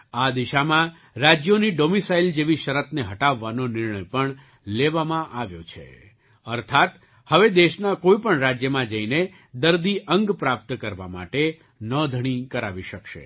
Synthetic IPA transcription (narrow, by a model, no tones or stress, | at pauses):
ad̪iʃamã | ɾad͡ʒjoniɖomisaild͡ʒeʋiʃəɾət̪neɦəʈaʋːanonɪɾɳəjpəɳ | leʋamãʔaʋjot͡ʃʰḛ | əɾt̪ʰat̪ | həʋed̪eʃnakoipəɳɾad͡ʒjəmãd͡ʒəine | d̪əɾd̪iʔəŋɡpɾap̚t̪kəɾʋa̰ma̰ʈe | nəd̪ʱəɽ̃ikəɾaʋiʃəkʃḛ